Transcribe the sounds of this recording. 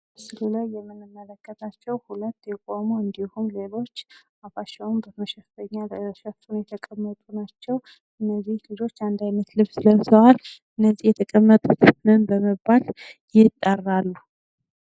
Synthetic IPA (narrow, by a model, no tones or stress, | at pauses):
bsɨlulajːɛmːɨnːɨmːələkːət̪ʰat͡ʃːɛwhulət̪ːjɛkʼomuɨnd̪ihumle̞lo̞t͡ʃː | afaʃɛwumbəməʃɛffəɲːaʃɛfunjɛt̪ʰəkʼəmːət̪ʼunat͡ʃːɛw | ɨnːəzːihlɨd͡ʒo̞t͡ʃːand̪ajnət̪lɨβsɨləmsəwal | ɨnːəzːihjɛt̪ʰəkʼəmːət̪ʼut̪nɨnbəməbaljɪt̪ʼːərːalːu